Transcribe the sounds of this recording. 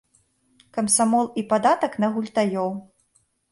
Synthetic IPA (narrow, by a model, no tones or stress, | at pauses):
kɐmsamɔlˠipad̪at̪ɐknɐɣulʲt̪ajɔw